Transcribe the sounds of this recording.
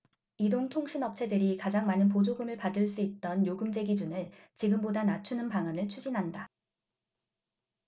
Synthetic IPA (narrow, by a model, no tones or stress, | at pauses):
idoŋtʰoŋɕʰinʌp̚t͡ɕʰe̞dɯɾikad͡ʑaŋmanɯnp̬od͡ʑoɡɯmɯɭpadɯɭs͈uit̚t͈ʌnjoɡɯmd͡ʑe̞ɡid͡ʑunɯɭ | t͡ɕiɡɯmbodanat͡ɕʰunɯnpaŋanɯɭt͡ɕʰud͡ʑinɦanda